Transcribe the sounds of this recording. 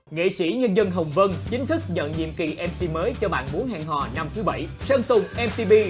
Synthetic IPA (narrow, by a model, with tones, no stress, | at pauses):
ŋḛ˧˨sḭ˧˩ɲə˧nzə˧nɦə˨˩wŋ͡mvə˧nt͡ɕï˨˦ŋ̟t̪ʰɨ˦˥k̚ɲə̰˧˨nɲḭ˧˨əmki˨˩ʔɛ˧msi˧məː˨˦jt͡ɕɔ˧ɓa̰ː˧˨nmu˨˦ənɦa̰ː˧˨ŋɦɔ̰˧˨na˧mt̪ʰɨ˨˦ɓa˧˩jsə˧nt̪ʊ˨˩ŋ͡mʔɛ˧mt̪i˧ɓi˧